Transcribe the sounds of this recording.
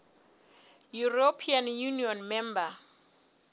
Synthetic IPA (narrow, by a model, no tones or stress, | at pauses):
juropʰianjuniɔnmɛmba